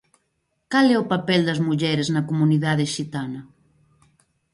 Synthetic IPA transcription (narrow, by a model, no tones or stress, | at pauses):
kalɛʊpapɛld̪ɐzmuʎɛɾeznɐkomuniðaðeʃit̪anɐ